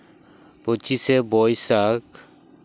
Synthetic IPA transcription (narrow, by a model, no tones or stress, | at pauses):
pot͡ʃisɛbɔjsak